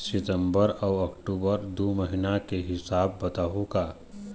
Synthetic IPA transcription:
sɪt̪ə̃mbəɾɔːɐkʈuːbəɾd̪oːməɦɪnakeɦɪsaːbːɐt̪aːɦuɡaː

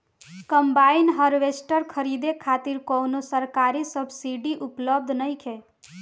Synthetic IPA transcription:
kəmbaɪnɦəɾʋesʈəɾkʰəɾid̪ekʰat̪iɾkonosəɾkaɾisəbʱsiɖiʔupləb̚d̪ʱnəjkʰe

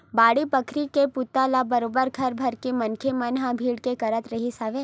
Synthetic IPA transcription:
baːɽipɐkʰɾikepʊt̪ːalabɐɾoːbəɾkʰɐɾbʱɐɾkemɐnkʰemɐnɦãbʱiːɽkekɐɾət̪ɾɐɦisaːʋeː

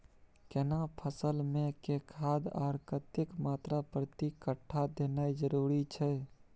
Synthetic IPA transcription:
kenapʰəsəlmẽkekʰad̪a̰ːɾkət̪jəkmaːt̪ɾapɾət̪ikəʈʰːad̪enajd͡ʒəɾuɾit͡ʃʰɛ

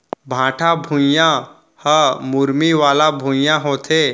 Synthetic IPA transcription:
bʱãʈʰabʱũjjã | həmuɾmiʋalabʱũjjãɦot̪ʰe

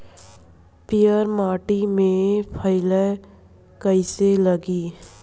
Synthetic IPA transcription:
pɪjəɾmaːʈimẽpʰəɪlə | kəɪseləɡiː

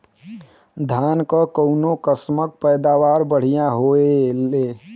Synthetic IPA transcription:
d̪ʱaːnkəkəʊnokəsmək̚pəɪd̪aʋaːɾbəɽ̤ijãɦoele

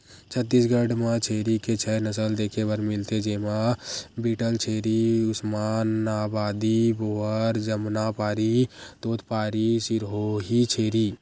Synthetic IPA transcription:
t͡ʃʰət̪ːis̬ɡəɖmãt͡ʃʰeːɾiket͡ʃʰɛnəsəld̪eːkʰebəɾmɪlt̪ed͡ʒeːmabiːʈəlt͡ʃʰeːɾiʊsmanabaːd̪iboəɾd͡ʒəmnapaːɾit̪oːt̪paːɾisiɾɦoɦit͡ʃʰeːɾi

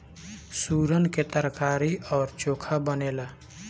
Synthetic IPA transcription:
suːɾənket̪əɾkaːɾiɔːɾt͡ʃoːkʰabənela

